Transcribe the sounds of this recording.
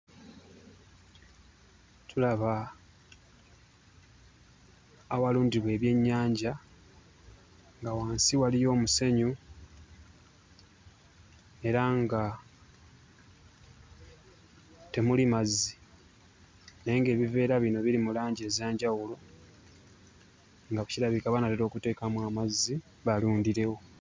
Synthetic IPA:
tʰulaβa | waluːndiβwe̞ːβje̞ɲːaːɲɟa | ŋɡawaːnsiwalijo̞ːmuse̞ɲu | e̞ɾaŋɡa | te̞mulimazːi | nejeŋɡe̞ːβive̞ːɾaβino̞βilimulaːɲɟe̞ːzaːɲɟawulo̞ | ŋɡaβuciɾaβikaβanateɾo̞ːkute̞ːkamwaːmazːi | βaluːndiɾe̞wo̞

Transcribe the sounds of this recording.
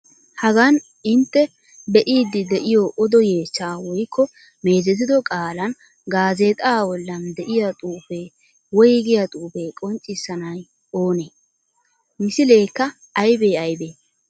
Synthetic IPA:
hɐɡɐn | ɪnt̪ːɛ | bɛʔiːd̪ɪd̪ɛʔɪjɔʔɔd̪ɔje̞ːt͡ʃːaːwɔjkːɔ | me̞ːzɛt̪̬ɪd̪ɔkʼaːlɐn | ɡaːzeːt̪ʼaːbɔlːɐnd̪ɛʔɪjat̪ʼuːpe | wɔjɡɪjɐt̪ʼuːpeːkʼɔnt͡ʃʼːɪsːɐnɐj | o̞ːneː | mɪsɪle̞ːkːɐ | ɐjbe̞ːɐjbeː

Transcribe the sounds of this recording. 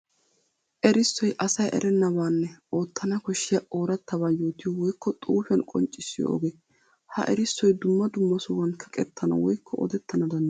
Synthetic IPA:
ʔɛɾɪsːɔjʔɐsɐjʔɛ̰ɾʔɛnːɐbaːnːɛo̞ːt̪ʰːɐnɐkɔʃːɪjɐʔo̞ːɾɐt̪ːɐβaːjo̞ːt̪ɪjɔwɔjkːɔt̪ʼuːfɪɐnkʼɔ̰nt͡ʃʼɪsːɪjo̰ʔɔ̰ɡeː | hɐ̰ʔɛɾɪsːɔjd̪ʊmːɐd̪ʊmːɐsʊwɐnkʰːɐkʼɛt̪ʰːɐnɐ̰wɔjkʰːɔɔ̰d̪ɛt̪ʰːɐnɐd̪ɐnː

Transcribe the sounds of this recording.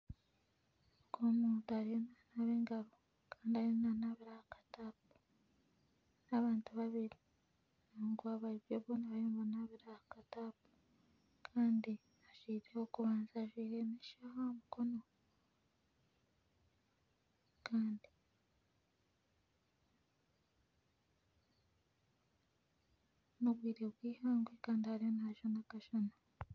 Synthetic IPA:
ukomuːntoaɾijonanaβeːŋɡaɾo | kaːndiaɾijonaːnaβiɾahakḁtap̚u̥ | naβaːntuβaβiɾi | naːŋɡaβaɾiβjoβonaβajoːɱvanaβiɾahakatapu̥ | kʰaːndi | aʒiːɾehokuβaːnzaːʒwiːɾemiʃahomuko̞no | kʰaːndi̥ | noβwiːɾebwiːhaːŋɡwekaːndihaɾihonaʒanakaʃana

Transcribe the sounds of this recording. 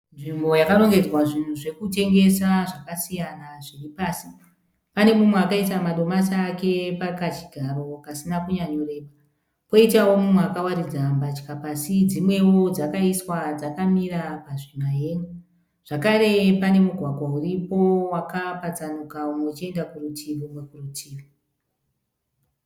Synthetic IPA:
nʐimbo̞jakaɾo̞ŋɡe̞d͡zwaʐin̤uʐe̞kute̞ŋɡe̞saʐakasijanaʐiripaːsi | pane̞mumweakaisamaɗo̞masake̞pakat͡ʃi̥ɡʱaro̞kasinakuɲaɲo̞re̞ːɓa | po̞itawo̞mumweakawaɾid͡zambat͡ʃkapasid͡zimwe̞wo̞d͡zakaiswad͡zakamiɾapaʐinaɦe̞ːŋu | ʐ̥akaɾe̞pane̞muɡʱwaɡʱwauripo̞wakapat͡sanukaumet͡ʃie̞ndakurutʰiʋomwekurutʰiːri

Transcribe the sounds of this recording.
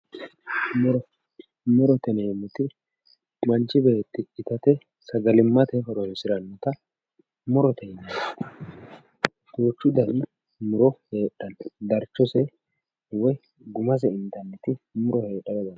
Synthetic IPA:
mʊɾɔ | mʊɾɔt̪ɛnejmʊt̪ɪ | mɐnt͡ʃːɪbeːt̪ːɪːt̪ɐt̪ɛ | sɐɡɐlɪmːɐt̪ɛhɔɾɔnsɪɾɐnːɔt̪ɐ | mʊɾɔt̪ɛjnɐ | t̪uːt͡ʃːʊd̪ɐɾɪ | mʊɾɔheːɗɐnd̪ɐɾt͡ʃːɔsɛ | wɔj | ɡʊmɐs̬ɛɪnt̪ɐnːɛt̪ɪmʊɾɔhe̞ːᶑːɐd̪ɔd̪ɐn

